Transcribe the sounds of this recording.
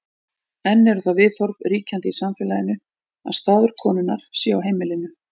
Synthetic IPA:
ɛnːɛɾʏθavɪðθɔɾvriːcant̪ɪisamfɛlajɪnːʏ | a̰ðst̪aːðʏɾ̥kʰɔːnʏnːaɾ̥sjɛawɦeːjmɪlɪnːʏ

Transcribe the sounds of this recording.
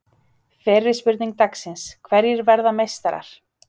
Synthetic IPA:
fɛːrːɪ̥spʏɾt̪niŋk̚t̪aksɪnskʰvɛɾjɪɾvɛɾðamejst̪aɾa̰ɾ̥

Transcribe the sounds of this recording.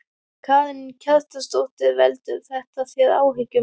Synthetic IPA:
kʰvaːðɪncʰaðt̪ast̪owht̪ɪvɛlt̪ʏɾθɛht̪aθjɛða̰ːwɦɪcːʏ

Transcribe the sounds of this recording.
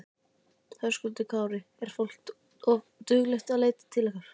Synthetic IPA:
θœskʏlt̪ʏkʰaːwɾɪɛɾ̥fowl̥t̪ | ɔv | t̪ʏɣlɛxt̪aðleːjt̪ɪ̥t̪ʰɪlːɛxkaɾ̥

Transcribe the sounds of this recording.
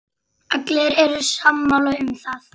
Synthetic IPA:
aklɛɾɛɾʏsamːalœʏmθaθ

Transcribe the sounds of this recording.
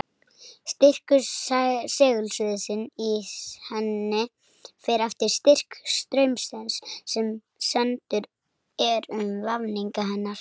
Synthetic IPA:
st̪ɪr̥kʏ | sɛːɣʏlsʏðsɪnihɛnːɪ | fɛɾaft̪ɪɾ̥st̪ɪr̥kst̪ɾœɥmsɛnsːɛm | sɛnt̪ʏɾ | ɛɾʏmvavniŋkaɦɛnːaɾ̥

